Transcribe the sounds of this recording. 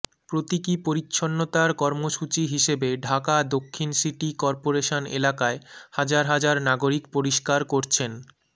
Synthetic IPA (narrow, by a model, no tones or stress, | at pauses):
pɾot̪ikipoɾitːɕʰonːot̪aɾkɔɾmoʃut͡ɕiɦiʃebeɖʱakad̪okʰːinsiʈikɔɾpoɾeʃonḛlakaehad͡ʑaɾɦad͡ʑaɾnaɡoɾikpoɾiʃkaɾkoɾt͡ɕʰen